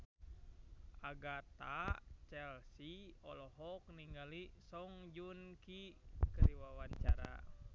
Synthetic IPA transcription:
aɡat̪at͡ʃɛlsiɔ̰lɔɦɔk̚niŋɡalisɔŋd͡ʒunkikəɾiwawaɲt͡ʃaɾa̰

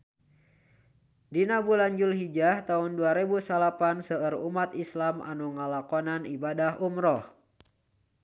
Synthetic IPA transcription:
dinabuland͡ʒulɦid͡ʒaht̪aunduaɾebusalapansəərumat̪islama̰nuŋalakɔnanibadahumɾɔh

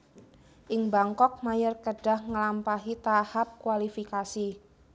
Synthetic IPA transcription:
ʔɪŋbaŋkɔk̚majərkəɖa̤hŋəlampaɦit̪ahap̚kuwalifikasi

